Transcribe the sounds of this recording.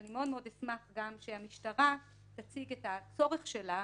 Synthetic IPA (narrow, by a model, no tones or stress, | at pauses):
nimeo̞dmeod̪esmaχɡamʃehamiʃtaʁa | t̪at͡siɡethat͡so̞ʁeχʃela